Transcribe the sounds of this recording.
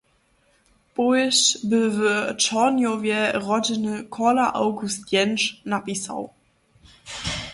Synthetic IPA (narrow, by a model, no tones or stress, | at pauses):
pɔɕbəvət͡ʃɔnjɔvjɛʁɔdɪnəkʰɔlaʔawɡust̪jɛnʃnapisa̰w